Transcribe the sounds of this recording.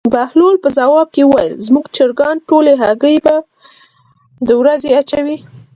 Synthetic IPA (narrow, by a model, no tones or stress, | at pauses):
bahlolpəzawɑb̚kewəwajə̰lzmuɡt͡ʃəɾɡɑnʈoleɦaɡəjba | d̪əwɾazeat͡ʃawi